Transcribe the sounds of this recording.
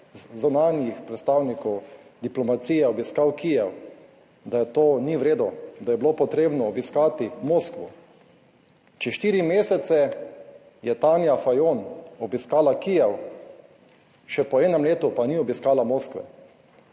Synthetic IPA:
zzunaːnjixpɾɛt̪st̪aːwnikɔwd̪iplɔmat̪siːjɛɔbiskawkijɛw | d̪ajɛt̪oːniʋɾeːd̪ɔd̪ajɛbilopɔt̪ɾeːbnɔːbiskaːt̪imoːskʋṵ | t͡ʃɛʃt̪iːɾimeːsɛt̪sɛ | jɛt̪aːnjafajoːnɔbiskaːlakijɛw | ʃɛpɔɛːnɛmleːt̪upaniɔbiskaːlamoːskʋɛ̰

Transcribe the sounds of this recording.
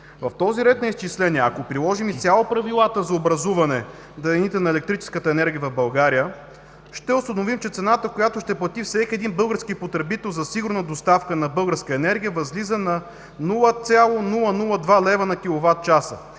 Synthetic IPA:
vɐft̪ɔziɾɛt̪̚nɐist͡ʃislɛnʲiɛɐkopɾilˠɔʒimit̪sʲalˠopɾɐvilˠat̪əzɐobɾɐzuvɐnɛ | d̪ɐɛnit̪ɛnɐɛlɛk̚t̪ɾit͡ʃɛ̥skət̪əɛnɛɾɡʲijəvɐvbɐlˠɡaɾijə | ʃt̪ɛʊst̪ɐnovimt͡ʃɛt̪sɛnat̪əkojat̪oʃt̪ɛplˠɐt̪ifsɛkʲiɛd̪inbɤlˠɡəɾskipot̪ɾɛbit̪ɛlˠzɐsiɡʊɾnəd̪ost̪afkənɐbɤlˠɡəɾskəɛnɛɾɡʲijəvɐzlizənɐ | nulˠət̪sʲjalˠonulˠənulˠəd̪valɛvənɐkʲilˠovat̪̚t͡ʃasə̰

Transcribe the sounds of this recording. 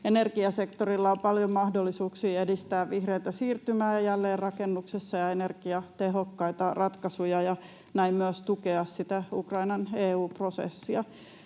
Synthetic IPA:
enerɡiɑsekt̪orilːɑompɑljommɑhdolːisuːksiːedist̪æːʋʋihrejt̪æsiːrt̪ymæːjɑjælːeːrrɑkenːuksesːɑjɑenerɡ̥iɑt̪eɦokːɑit̪ɑrɑt̪kɑsujɑjɑ | næimmyøst̪ukeɑssit̪æṵkrɑinɑneːuːprosḛsːiɑ

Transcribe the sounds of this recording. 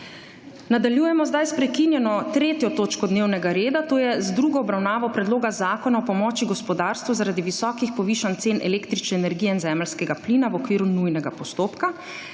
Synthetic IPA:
nad̪aljujɛmɔzd̪ajspɾɛkinjɛnɔt̪ɾeːt̪jɔt̪oːt͡ʃkɔd̪neːwnɛɡaɾeːd̪at̪oːjɛzd̪ɾuːɡɔɔbɾawnaːʋɔpɾɛd̪loːɡazaːkɔnaɔpɔmɔːt͡ʃiɡɔspɔd̪aːɾst̪ʋuzaɾad̪iʋisɔːkixpɔʋiːʃant̪seːnʔɛ̰leːkt̪ɾit͡ʃnɛːnɛɾɡijɛinzɛːməlskɛɡapliːnaʋɔkʋiːɾunujnɛɡapɔst̪oːpka

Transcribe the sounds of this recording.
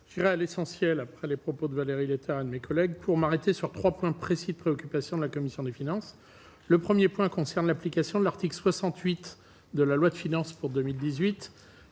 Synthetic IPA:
ʒ̥iʁɛalesɑ̃sjɛlapχɛlepχɔpod̪əvaleʁilet̪ʰɛʁed̪əmekɔlɛɡ̚pʰuʁmaʁet̪esyʁt̪χwapwɛ̃pχesid̪əpχeɔkʲypasjɔ̃d̪əlakɔmisjɔ̃d̪efinɑ̃s | ləpχəmjepwɛ̃kɔ̃sɛʁnlaplikasjɔ̃d̪əlaʁt̪iklswasɑ̃t̪ɥit̪ | d̪əlalwad̪əfinɑ̃spuʁd̪əmild̪izɥit̪

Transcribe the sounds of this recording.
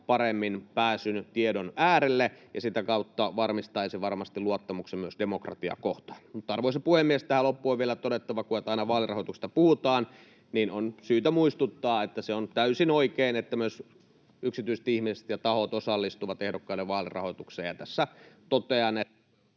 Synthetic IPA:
pɑɾemːinpæːsynyt̪iedonæːɾelːejɑsit̪ækɑut̪ːɑʋɑrmist̪ɑːiseʋɑrmɑst̪iluɑt̪ːɑmuksemmyøsdemokrɑ̰t̪iɑ̰koht̪ɑ̥mut̪ːɑrʋoisepuhemːiest̪æhælopːuoʋʋielæt̪odet̪ːɑʋɑkuɑt̪ɑinɑʋɑːlirɑ̰hot̪ukst̪ɑpuhut̪ɑːn | niːnonsyːt̪æmuist̪ut̪ːɑːet̪ːæseont̪æysinoikeːnet̪ːæmyøs | yksit̪yiset̪ihmise̥t̪jɑt̪ɑhot̪osɑlːist̪uʋɑt̪ehdokːɑilːeʋʋɑːlirɑ̰hot̪ukseːjjɑt̪æsːæt̪ot̪eɑne

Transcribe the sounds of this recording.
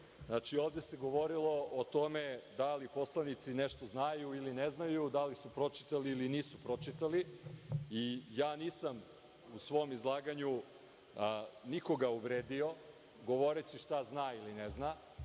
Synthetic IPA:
znat͡ʂioːʋd̪e̞seɡo̞ʋo̞ɾilˠo̞ʔot̪o̞me̞d̪alipo̞slˠanit̪sineʃt̪o̞znajuilineznajud̪alisupɾo̞t͡ʂi̥t̪aliːliniːsupɾo̞t͡ʂit̪ali | ijaːniːsam | usʋo̞mizlˠaːɡaɲu | niko̞ɡauvɾeːd̪io̞ | ɡo̞ʋo̞ɾet͡ɕiʃt̪aznaːilinezna

